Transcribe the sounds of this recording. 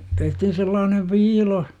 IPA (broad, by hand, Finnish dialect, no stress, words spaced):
tehtihin selːɑːneʋ ʋiːlo